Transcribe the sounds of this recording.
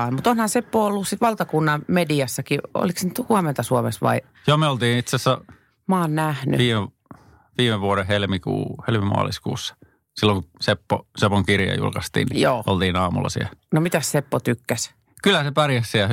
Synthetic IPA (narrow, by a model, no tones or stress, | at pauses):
ɑimut̪onhɑnsepːoːolːussit̪ʋɑlt̪ɑkunːɑmediɑsːɑkio̰liksnyt̪huɑment̪ɑsuɑmesʋɑ̰i | joːmeolt̪iːnit̪sesːæ | mɑːnnæhny̰ʋiːme | ʋiːmeʋuoɾehelmikṵːhelmimɑ̰ɑ̰ːliskṵːsːɑ̥ | silːoŋkusepːosepoŋkirjɑ̰jṵlkɑst̪ḭːnnijjoːo̰lt̪iːnɑːmulːɑ̰sḭænomit̪æssepːot̪ykːæs | kylːæsepærjæssiæ